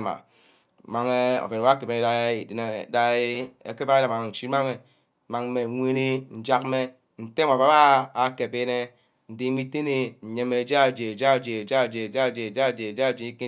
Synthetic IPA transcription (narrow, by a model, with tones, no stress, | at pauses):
ma̰˨ | ma˨ŋe˦o̰˨fe˨n˨˦a˦ke˨be˦e˦da˦i˨de˨na˨da˦e˦ḛ˨ke˦ba˦e˦na˨ma˨ŋ˨n̩˨t͡ʃi˦ma˦me˨ | ma˨ŋ˦me˨ŋʷe˦ni˦n̩˦d͡ʒa˦kme˦ | n̩˨te˦ma˨a˨˦aː˦˨ke˨be˦ne˦ | n̩˨di˨˦mi˦te˦ne˦n̩˨ɲe˦me˨d͡ʒa˦˨d͡ʒe˨d͡ʒa˦˨d͡ʒe˨d͡ʒa˦˨d͡ʒe˨d͡ʒa˦˨d͡ʒe˨d͡ʒa˦˨d͡ʒe˨d͡ʒa˦˨d͡ʒe˨˦i˦ki˦